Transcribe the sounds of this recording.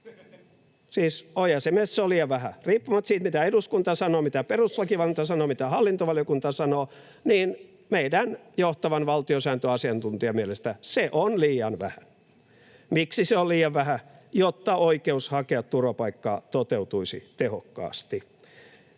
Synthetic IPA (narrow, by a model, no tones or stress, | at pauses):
siːsojɑsemesseoliːjɑʋʋæhæriːpːumɑt̪siːt̪mit̪æeduskunt̪ɑsɑnoːmit̪æperuslɑkiʋɑlint̪ɑsɑnoːmit̪æhɑlːint̪oʋɑljokunt̪ɑsɑnoː | niːn | meidænjoht̪ɑʋɑnʋɑlt̪iosæːnt̪øɑsiɑnt̪unt̪iɑmielest̪æseʔonliːjɑnʋæhæ | miksiseolliːjɑʋʋæhæjot̪ːɑʔoikeushɑkeɑt̪t̪urʋɑpɑikːɑ̰ːt̪ot̪eut̪uisḭt̪ehokːɑ̰ːst̪i